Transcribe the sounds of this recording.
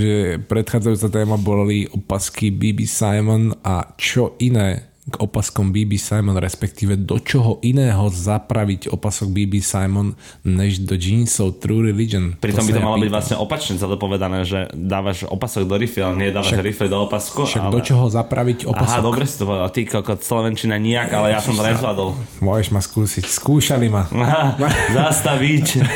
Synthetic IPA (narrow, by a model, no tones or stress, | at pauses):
ʒɛpɾɛt̪xaːd͡zajuːt͡sat̪ɛːmabɔliʔɔpaskibiːbisajmɔnat͡ʃɔinɛː | ɡɔpaskɔmbiːbisajmɔnɾɛspɛkt̪iːʋɛd̪ɔt͡ʃɔɦɔʔinɛːɦɔzapɾaʋicɔpasɔɡ̚biːbisajmɔn | ɲɛʒd̪ɔd͡ʒiːnsɔʊt̪ɾuɾɛlid͡ʒɔnpɾit̪ɔmbit̪ɔmalɔbiɟʋlasɲɛ̰ʔɔpat͡ʃɲɛzad̪ɔpɔʋɛd̪anɛːʒɛ̰d̪aːʋaʃɔ̰pasɔɡ̚d̪ɔɾifialɛɲɪɛd̪aːʋaʃaʃɾifid̪ɔɔpaskuʃaɡdɔt͡ʃɔɦɔzapɾʔaʋicɔʔapaɦsaɔd̪ɔbɾɛsḁt̪ɔpɔʋɛd̪alt̪ikɔkɔt͡slɛʋɛnt͡ʃinaɲiakalɛjasɔmt̪ɔɾɛzlad̪ɔlmʊɔjɛʒmaskuːsicskuːʃalimaɦazast̪aʋic